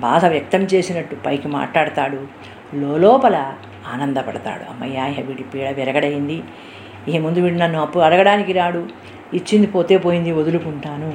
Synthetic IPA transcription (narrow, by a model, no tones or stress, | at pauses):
bʱa̰ːd̪ɐʋjɐk̚t̪ɐmt͡ʃe̞ːsinɐʈːupɐjkima̰ːʈlaːɽɐt̪aːɽu | loːlɔːpɐlɐ | aːnɐnd̪ɐpɐɽɐt̪a̰ːɽṵɐ̰mːɐ̰jːaːɦeʋiʈipiːɽɐʋɛɾɐɡɐɽɐjind̪i | iːmund̪uʋiːʈinɐnːuɐpːuɽɐɾɐɡɐɽaːnikiɾaːɽu | it͡ʃːind̪ipo̞ːt̪e̞ːpo̞ːjind̪iod̪ulukuɳʈaːnu